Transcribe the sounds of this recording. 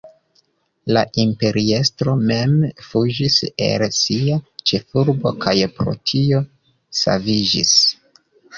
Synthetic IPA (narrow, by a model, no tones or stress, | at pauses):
laʔimpe̞ɾie̞stɾo̞me̞mfud͡ʒise̞̰lsiat͡ʃe̞fuɾbo̞kʰajpɾo̞̰tʰio̞ | sa̰vid͡ʒḭs